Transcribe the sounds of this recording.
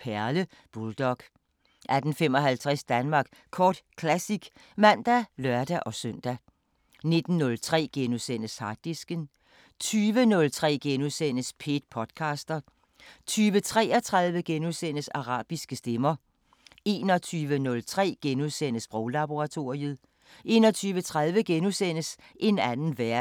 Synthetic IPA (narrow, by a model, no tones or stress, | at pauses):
pʰæɐlə | b̥uld̥ɒɡ̥ | ʔæd̥n̩fem̰ɒ̽hælt͡sʰʁɛsd̥ænmɑ̈ːɡ̥ | kʰɒːd̥kʰlæsiɡ̥ | mæn̰d̥ælɶɐd̥æʔɒ̽søn̰d̥æ | ne̝d̥n̩ːɔ̽lt͡sʰʁɛ̰ːɡ̥enusen̰əshɑ̥̈d̥isɡ̥ən | t͡sʰyːʋənɔ̽lt͡sʰʁɛ̰ːɡ̥enuðˠsen̰əspʰe̝d̥̚pʰɒ̽d̥kʰɑ̈sd̥ɐ | t͡sʰyːʋət͡sʰʁɛ̰ːɐt͡sʰʁɑðˠʋəɡ̥enuðˠsen̰əsɑ̈ʁɑ̰̈ːb̥isɡ̥əsd̥emɐ | e̝ːnɒt͡sʰyːʋənɔ̽lt͡sʰʁɛ̰ːɡ̥enuðˠsen̰əsb̥ʁɔʊlɑb̥o̝ʁɑ̈t͡sʰo̝ːiəð̩ˠ | ʔe̝̰ːnɒ̽t͡sʰyːʋət͡sʰʁɑð̞ˠʋəɡ̥enusen̰əs | ʔe̝nænn̩ʋæɐ̰